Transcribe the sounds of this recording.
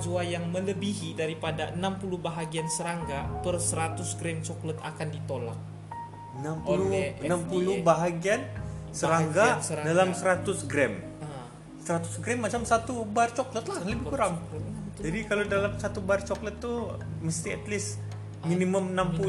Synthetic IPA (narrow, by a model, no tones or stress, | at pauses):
d͡ʒuajaŋmələbiɦidaɾipadaənampulubaɦaɡiansəɾaŋɡapərsəɾat̪ʊsɡɾɛmt͡ʃɔklət̪a̰kandit̪ola̰k̚ | ənampuolluənampulubaɦaɡiansəɾaŋɡasəɾadalamsəɾat̪ʊsɡɾɛm | səɾat̪ʊsɡɾɛmːat͡ʃamsat̪ubart͡ʃɔklət̪laləbɪhkuɾaŋd͡ʒadikalodalamsat̪ubart͡ʃɔklət̪ːuməst̪iɛt̪lɪs | miniməmənampu